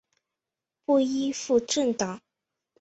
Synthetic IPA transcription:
pu˥˩i˥fu˥˧ʈ͡ʂə˥˩nt̪ɑ˨˩˦ŋ

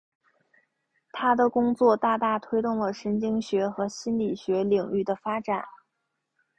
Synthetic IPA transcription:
t̪ʰa˥d̪ə˨kʊ˥ŋt͡swɔ˥˧t̪a˥˧t̪a˥˩t̪ʰwe˥ɪt̪ʊ˥˩ŋlə˩ʂə˧˥nt͡ɕi˥ŋɕɥɛ˧˥xɤ˧˥ɕi˥nli˨˩ɕɥɛ˧˥li˨˩ŋy˥˩d̪ə˩fa˥ʈ͡ʂa˨˩˦n

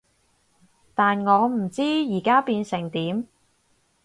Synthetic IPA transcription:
t̪aː˨nŋɔː˨˧m̩˨˩t͡siː˥jiː˨˩kaː˥piː˧nsɪ˨˩ŋt̪iː˨˥m

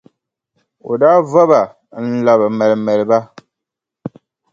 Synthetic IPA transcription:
o̰˨daː˦va˦ba˨ | n̩˦la˨bɨ˨mɛ˨lmɛ˨lɨ˨ba˦

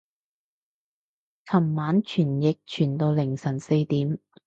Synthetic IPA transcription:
t͡sʰɐ˨˩mːaː˨˥nt͡ʃʰyː˨˩njɪ˨k̚t͡ʃʰyː˨˩nt̪o˧wlɪ˨˩ŋsɐ˨˩nse˧jt̪iː˨˥m

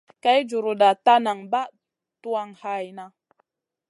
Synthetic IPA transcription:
ka˨˦jd͡ʒu˨ɾu˨da˨ta˦na˨ŋba˦ | tu˦a˦˨ŋha˦˨jna˦

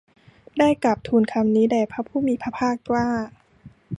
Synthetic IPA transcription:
daː˥˩jka˨˩p̚t̪ʰuː˧nkʰa˧mniː˦˥daː˧˩pʰa˦˥pʰuː˥˩miː˧pʰa˦˥pʰaː˥˩k̚kwaː˥˩

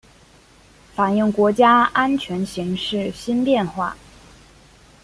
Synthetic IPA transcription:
fa˨˩njə˥˩ŋkwɔ˧˥t͡ɕja˥a˥nt͡ɕʰɥɛ˧˥nɕi˧˥ŋʂɻ̩˥˩ɕi˥npjɛ˥˧nxwa̰˥˩

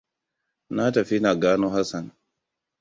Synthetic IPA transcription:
na˦tɐ˨ɸi˦na˨ɡaː˦no˦ɦa˦sa˨n

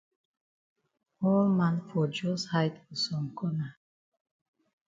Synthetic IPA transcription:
hɔ˦lmanfɔ˨d͡ʒɔ˦shajt̪u˨sɔ˨mkʰɔ˦na˨

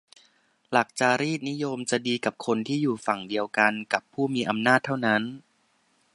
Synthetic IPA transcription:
la˨˩k̚t͡ɕaː˨˩ɾiː˥˩t̪̚ni˦˥jo˧mt͡ɕa˨˩diː˧ka˨˩p̚kʰo˧nt̪ʰiː˥˩juː˨˩fa˨˩ŋdi˧əwka˧nka˨˩pʰːuː˥˩miː˧ʔa˧mnaː˥˩t̪ʰːa˥˩wna˦˥n

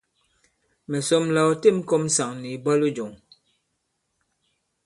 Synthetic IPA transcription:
mɛ˨sɔ˦mla˨˦˨te˦˨m˦ko˦˨m̩˦sa˨ŋni˨ba˦lu˦d͡ʒo˨ŋ

